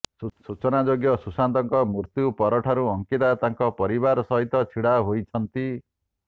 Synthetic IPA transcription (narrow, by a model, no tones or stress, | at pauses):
sut͡ʃɔnad͡ʒoɡjɔsusand̪ɔŋkɔmuɾt̪jupɔɾɔʈʰaɾuɔŋket̪at̪aŋkɔpɔɾiβaɾsɔɦit̪ɔt͡ʃʰiɽaɦojt͡ʃʰʌnt̪i